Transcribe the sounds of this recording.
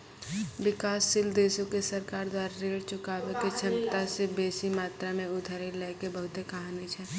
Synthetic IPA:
bɪkaːsːɪld̪eːsõkesəɾkaːɾd̪waːɾaɾeːɽt͡ʃʊkaːʋeket͡ʃʰəmt̪asebeːsimaːt̪ɾamẽʊd̪ʱəɾilɛːkebəɦʊt̪ekɐɦaːnit͡ʃʰɛː

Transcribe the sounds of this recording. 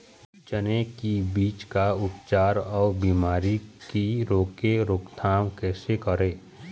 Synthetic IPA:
t͡ʃənekibiːt͡ʃkaʊpt͡ʃaːɾɔːbiːmaːɾikiɾoːkeɾoːkt̪ʰaːmkɛːsekəɾẽː

